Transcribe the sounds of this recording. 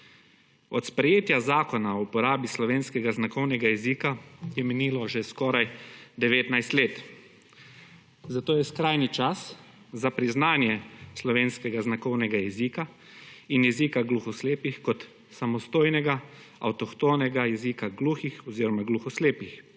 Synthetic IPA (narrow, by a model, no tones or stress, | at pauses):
ɔt̪spɾɛjeːt̪jazaːkɔnaɔwpɔɾaːbislɔʋeːnskɛɡaznakɔwnɛɡajɛziːkajɛmɛniːlɔʒɛskɔːɾajd̪ɛʋeːt̪najst̪leːt̪ | zat̪oːjɛskɾaːjnit͡ʃas | zapɾiznaːnjɛslɔʋeːnskɛɡaznakɔwnɛɡajɛziːka | injɛziːkaɡluxɔsleːpixkɔt̪ | samɔst̪oːjnɛɡaa̰wt̪ɔxt̪oːnɛɡajɛziːkaɡluːxixɔziːɾɔmaɡluxɔsleːpix